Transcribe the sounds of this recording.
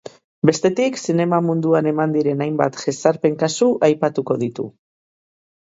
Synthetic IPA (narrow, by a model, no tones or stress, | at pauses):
be̞st̪e̞t̪iksine̞mamund̪uane̞mand̪iɾe̞najmba̰t̪ʝesaɾpe̞ŋkasuʔajpat̪uko̞ðit̪ṵ